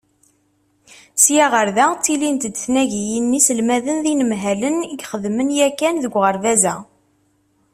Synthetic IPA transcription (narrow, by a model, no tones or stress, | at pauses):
sjaʁəɾðæt͡sːilint̪d̪θnæʝijinːisəlmæðənðinəmɦæləniɡχəðmənjækːænðəɡʷʁəɾðæzæ